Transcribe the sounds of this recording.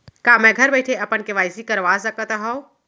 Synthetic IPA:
kamɛ̃ɡʱəɾbəɪʈʰeəɐpənkeʋaːjsikəɾʋaːsəkət̪ɦɔw

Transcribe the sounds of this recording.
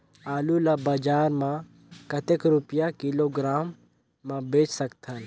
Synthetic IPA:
aːlulabɐd͡ʒaːɾmã | kɐt̪ekɾʊpjakiloɡɾaːmː | ãbeːt͡ʃsɐkt̪ʰəl

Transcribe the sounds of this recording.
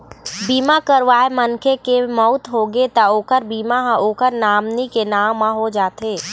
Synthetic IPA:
biːmakəɾʋaːemənkʰekemɔʊt̪ɦoɡet̪aoːkəɾbiːmaɦoːkəɾnaːmnikenaːãɦod͡ʒaːt̪eː

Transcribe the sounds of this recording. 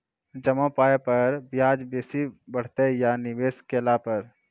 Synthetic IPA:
d͡ʒəmãpaːepəɾbjaːd͡ʒbeːsibəɽ̤t̪ejanɪʋeːskelapəɾ

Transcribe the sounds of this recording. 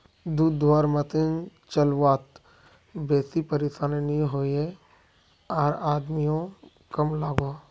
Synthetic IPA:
d̪uːd̪ːwaːɾmət̪ɪnt͡ʃɐlwaːt̪ | bɛːsipɐɾesaːneniɦoːe | aːɾaːd̪mijõ | kɐmlaːɡoː

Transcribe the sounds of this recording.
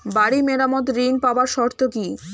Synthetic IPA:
baɽimeɾamɔt̪ɾinpabaɾʃɔɾt̪oki

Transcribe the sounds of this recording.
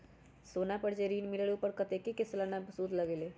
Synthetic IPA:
sonapəɽd͡ʒeɾinmiləɽupəɾkət̪ekekeslanabsud̪ʱləɡele

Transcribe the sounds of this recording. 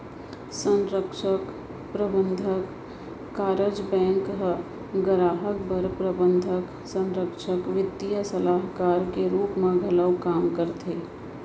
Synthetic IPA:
sə̃nɾəkʃək | pɾəbə̃nd̪ʱəkː | aːɾəd͡ʒbɛ̃ːŋkɦ | ɡəɾaːɦək̚bəɾpɾəbə̃nd̪ʱək | sə̃nɾəkʃəkʋɪd̪ijəsəlaːɦkaːɾkeɾuːpmẽɡʱɐləwkaːmkəɾt̪ʰeː

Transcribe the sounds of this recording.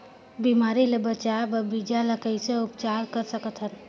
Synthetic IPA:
biːmaːɾilebət͡ʃabəbid͡ʒaləkəiseʊpt͡ʃaːɾkəɾsəkət̪ɦən

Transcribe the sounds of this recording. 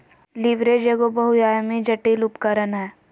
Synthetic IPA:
liʋɾeːd͡ʒeɡobɐɦʊjaːjmid͡ʒɐʈilʊpkəɾənɦɛː

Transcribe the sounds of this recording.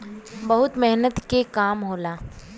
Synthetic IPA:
bɐɦʊt̪mɛɦnət̪kekaːmɦoːlaː

